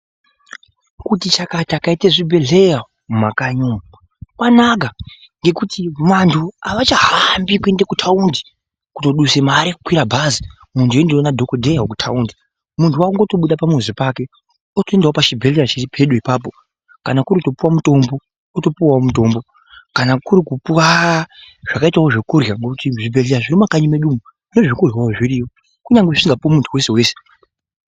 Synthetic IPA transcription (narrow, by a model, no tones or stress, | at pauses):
kutit͡ʃakatakaiteʐibʱe̞ɮeja | mumakaɲomu | kwanak̬a | ŋɡe̞kutimantʰuaʋat͡ʃaɦambikue̞ndakutʰaundi | kuto̞ɗusemaɾeku̥kwiɾabʱazi | muntuendionadʱo̞kodʱejaokutʰa̰undi | muntʰuwaŋɡotoɓuɗapamuzipake̞ | otoe̞ndawopat͡ʃibʱe̞ɮeɾat͡ʃiripʰe̞ɗuipaːpo̞ | kanakuɾiuto̞puwamuto̞mbo̞ | oto̞puwaomuto̞ːmbo̞ | kanakuɾikupuwa | ʐ̥akaitawoʐekurjaŋɡokutiʐibʱe̞ɮeɾaʐiɾimakaɲimeɗumu | une̞ʐikurjawoʐiɾiːwo | kuɲaŋɡeʐisiŋɡapuwamuntʰuwe̞se̞we̞ːse